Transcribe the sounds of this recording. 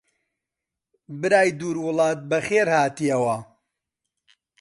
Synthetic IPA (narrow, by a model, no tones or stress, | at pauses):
bɨɾaːjd̪uːɾwʊlˠɑːt̪̚bɐxeːɾhaːt̪ijɐwɐ